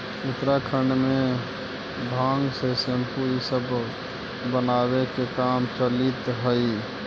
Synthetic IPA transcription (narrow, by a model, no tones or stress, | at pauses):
ʊt̪ɾakʰəɳɖme | bʱãːŋɡsesəmpuɾisəbʱ | bənabekekamt͡ʃəlit̪ɦəi